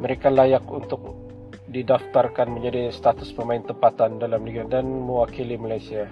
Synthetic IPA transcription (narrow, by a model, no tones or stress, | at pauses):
məɾekalajakunt̪ʊk̚ | didaft̪arkanməɲd͡ʒadist̪at̪ʊspəmaɪnt̪əmpat̪andalamliɡadanmuakilimalajsia